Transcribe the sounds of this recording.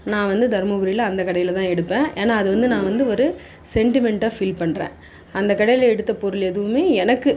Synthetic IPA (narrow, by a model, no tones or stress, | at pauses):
nãːʋɐnd̪ɯd̪ʱɐɾmɐɡʊɾɪlɐɐnd̪ɐkɐɽɐjɪlt̪ãːɛɽɯpːẽːʔeːnaːɐðɯʋɐnd̪ɯnãːʋɐnd̪ɯɔɾɯ | sɛɳʈɪmɛɳʈaːfɪlpɐɳɾḛ̃ː | ɐnd̪ɐkɐɽɐjɪlɛɽɯt̪ːɐpɔɾɯlɛðɯʋɯmeːɛnɐkːɯ